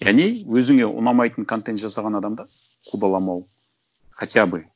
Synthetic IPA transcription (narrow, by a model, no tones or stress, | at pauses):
jæne̞wɵzɪŋe̞ʔʊ̰nɑmɑjt̪əɴkʰo̞nt̪e̞nt̪ʒɑsɑʁɑnɑd̪ɑmd̪ɑ | qʰud̪ɑlˠɑmɑw | qʰɑt̪abə